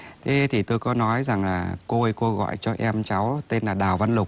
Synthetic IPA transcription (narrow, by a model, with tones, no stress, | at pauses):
t̪ʰe˨˦t̪ʰi˨˩t̪o˧jkɔ˨˦nɔ˨˦jza˨˩ŋlaː˨˩ko˧ko˧ɣɔ̰˧˨jt͡ɕɔ˧ʔɛ˧mt͡ɕa˨˦wt̪e˧nlaː˨˩ɗaː˨˩wva˧nlʊ˨˩k͡p̚